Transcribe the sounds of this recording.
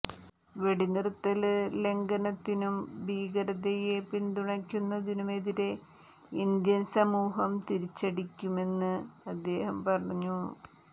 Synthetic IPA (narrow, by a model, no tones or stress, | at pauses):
ʋe̞ɽinirut̪ːɐlle̞ŋɡɐnɐt̪ːinumbiːɡɐɾɐðɐjepind̪uɳɐkʲːunːɐðinume̞ðiɾe̞ | ind̪jɐnsɐmuːɦɐmt̪iɾit͡ɕːɐɽikʲːume̞nːɨɐd̪ːe̞ːhɐmpɐrɐɲːu